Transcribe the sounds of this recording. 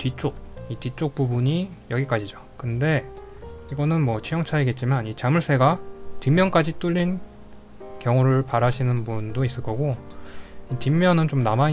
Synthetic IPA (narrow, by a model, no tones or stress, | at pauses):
tɥit͡ɕ͈ok̚itɥit͡ɕ͈ok̚p͈ubuɲijʌɡik͈ad͡ʑid͡ʑo | kɯnde̞ | iɡʌnɯnmwʌt͡ɕʰijʌŋt͡ɕʰaiɡe̞t̚t͡ɕ͈imanit͡ɕamɯɭs͈ʰe̞ɡatimːjʌnk͈ad͡ʑit͈uʎːin | kjʌŋuɾɯɭpaɾaɕʰinɯnbundois͈ɯɭk͈ʌɡo | itimːjʌnɯnt͡ɕomnamai